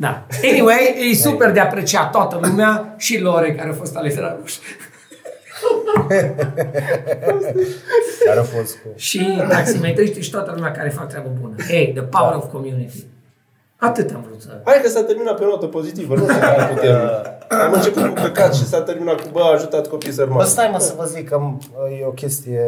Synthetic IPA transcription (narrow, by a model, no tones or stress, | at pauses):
d̪a̰eniwejejsuperd̪eapɾet͡ʃiat̪oat̪əlumeaʃiloɾekaɾeafo̞st̪alet̪eɾa̰d̪uʃ | aafost̪uʃimaksiment̪əʃt̪eʃi̥t̪oat̪əlumeakaɾefak̚t̪ːɾeabəbunəejd̪əpawəɾovkomjunit̪i̥ | at̪ɨt̪a̰mvɾut̪səpajkəsat̪erminat̪peonot̪əpozit̪ivənuaput̪eniamɨnt͡ʃeput̪d̪inpəkat̪ʃisat̪erminat̪kubəːʒut̪at̪kopisərmaəst̪ajməsəvəzikːam | jeokʲest̪ije